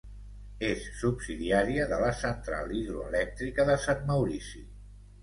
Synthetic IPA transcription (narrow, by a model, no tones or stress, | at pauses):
esːubsiðiaɾiəðələsənt̪ɾa̰lˠiðɾuə̰lɛk̚t̪ɾikəðəsanməwɾisi